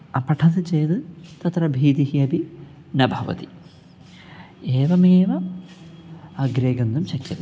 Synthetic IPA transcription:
ɐpɐʈʰɐsɨt͡ʃejd̪ɨt̪ɐt̪ɾɐbʱiːd̪ihiɐbi | nɐbʱɐʋɐ̰t̪i | eːʋɐmeːʋɐ | ɐɡɾeːɡɐnd̪umɕɐkjɐ̰n

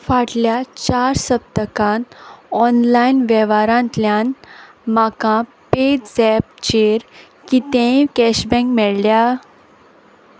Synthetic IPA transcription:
faʈljat͡ɕaɾsəp̚t̪əkãnɔnlainʋɛʋaɾãnt̪ljan | makã | ped͡ʑd͡zɛp̚t͡ɕeɾ | kit̪ɛ̃kɛɕbɛ̃ŋkmɛɭlja

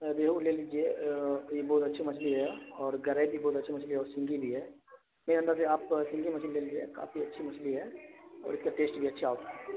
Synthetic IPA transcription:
d̪eːɦuleliːd͡ʒiejebɔːt̪ɐtːʃʰimɐsliɦɛɔːɾɡɐɾebʱibɔːt̪ɐtːʃʰimɐt͡ʃliɦɛɔːɾsɪ̃ŋɡibʱiɦɛː | meːɾiɐ̃nd̪əɾseaːpsɪ̃ŋɡimɐt͡ʃlleːliːd͡ʒiḛka̰ːfiɐtːʃʰimɐsliɦɛɔ̰ːɾɪskaʈeːsʈbʱiɐtːʃʰiaːot̪ɛ

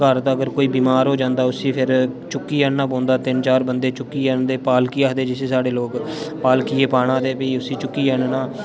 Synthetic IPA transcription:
kəɾt̪aːəɡəɾkoːiːbiːmaːɾɦoːd͡ʒãːnd̪aːʊsĩːpʰɪɾ | t͡ʃʊkːiːəɳnaːp̬õːnd̪aːt̪ɪnt͡ʃaːɾbənd̪eːt͡ʃʊkːiːɛːnd̪eːpaːlkijaːd̪eːd͡ʒɪsẽːsaːɽeːloːkpaːlkiːeːpaːɽãːd̪eːpəiːʊsiːt͡ʃʊkːiːɛnnaː

